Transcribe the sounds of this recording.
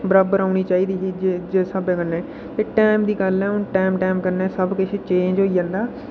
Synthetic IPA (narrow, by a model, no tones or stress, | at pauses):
bəɾaːbəɾaːʊniːt͡ʃaːiːd̪iːɦid͡ʒed͡ʒeːsəbɛ̃ːkənːeː | t̪eːʈɛːmd̪iːɡəlɛ̃ːʊnʈɛːmʈɛːmkəɾneːsəbkɪt͡ʃʰet͡ʃẽːɲd͡ʒɦoːijãːnd̪aː